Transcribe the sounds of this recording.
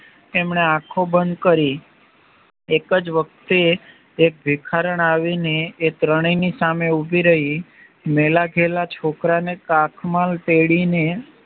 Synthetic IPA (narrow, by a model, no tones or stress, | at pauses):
emɳeãkʰobənd̪kəɾi | ekəd͡ʒʋək̚t̪eː | k̚bʱikʰaɾəɳaʋineːt̪ɾəɳ̃inisameubʱiɾəɦi | melaɡʱelat͡ʃʰokɾanekakʰmalt̪eɽine